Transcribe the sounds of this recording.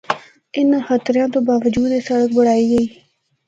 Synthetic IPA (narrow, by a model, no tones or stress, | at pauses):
ɪnxət̪ɾjãːt̪õːbaːʋəd͡ʒuːd̪esəɽək̚bəɽaːiːɡəiː